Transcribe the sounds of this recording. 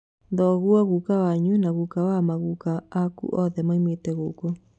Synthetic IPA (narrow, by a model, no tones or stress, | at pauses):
ðɔːɣwɔɣukawaɲunaɣukawamaɣukaːkṵʔɔðɛmaimwetɛɣoko